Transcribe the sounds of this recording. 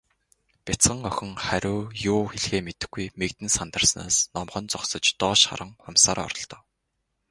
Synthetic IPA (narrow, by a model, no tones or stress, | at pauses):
pʲat͡sɢə̆ŋœxʲɪ̆ŋχæɾʲʊːjʊːxeɮxeːmet̪ɘ̆xɡujmekt̪ɘ̆nsant̪ə̆rsna̰ːsnɔmχɞ̆nt͡sɔksɞ̆t͡ɕt̪ɔːʃχa̰ɾə̆ŋɔmsaːɾɔ̰rɞ̆ɮt̪ɞ̥̆ː